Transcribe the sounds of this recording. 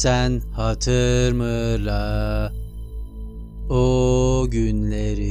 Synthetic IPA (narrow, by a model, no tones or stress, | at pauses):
ænhat̪ʰɯɾmɯɾa | oɟynlʲeɾi